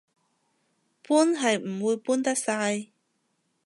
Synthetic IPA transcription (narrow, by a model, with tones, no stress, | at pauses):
puː˥nɦɐ˨jm̩˨˩wuː˧jpuː˥nt̪ɐ˥k̚saː˧j